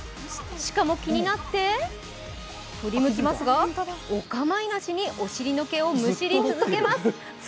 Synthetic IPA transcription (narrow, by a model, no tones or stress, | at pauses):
ɕi̥kamo̞kʲiɲ̟inat̪ːe̞ | t̪o̞ɾʲimɯ̟kʲimasɨɡaokamainaɕiɲ̟iʔo̞ɕiɾʲinoke̞o̞mɯ̟ɕiɾʲit͡sɨzɨke̞masɨ